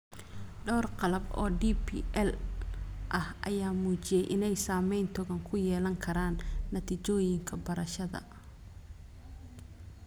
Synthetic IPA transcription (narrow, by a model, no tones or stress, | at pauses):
ɖɔːrqɑlɐbɔ̰ːɖipʰḭʔɛl | ʔɐhʔɐjaːmuːt͡ʃɪjɛjʔɪnɛjsaːmɛjnt̪ʰɔɣɐŋkʰʊjɛːlɐŋkʰɐɾaːnːɐt̪ʰit͡ʃɔːjɪŋkʰɐbɐɾɐʃɐðɐ̰